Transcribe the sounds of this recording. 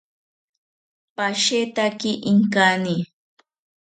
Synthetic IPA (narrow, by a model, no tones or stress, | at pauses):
paʃet̪akɪʔɪŋkani